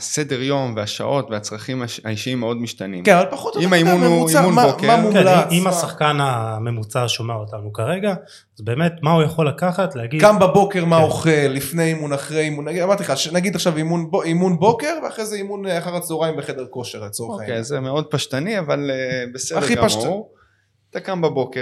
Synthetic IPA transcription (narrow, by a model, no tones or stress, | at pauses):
ase̞d̪e̞ʁjo̞mveaʃa̰ʔo̞tveat͡sʁaχimaaiʃiimːeo̞d̪miʃt̪anḭmkenavalpaχot̪oimaimuneuiamunmabokemamukelaimasaχkaname̞mut͡saʃomeaotanukaʁe̞ɡa | zbe̞ːmetmaujaχo̞lakaχatlehaɡidɡambabo̞ke̞ʁmaoχe̞lːifnejimunaχʁejimunaɡiamaʁt̪iχaʃnaɡid̪aχʃavimunboimunbo̞ke̞ʁveaχʁejzeimunaχaʁat͡soʁaimbeχe̞d̪e̞ʁko̞ʃe̞ʁlet͡sooaezemeo̞d̪̚paʃt̪aniavalbesedaeχipaʃ | t̪akambaboke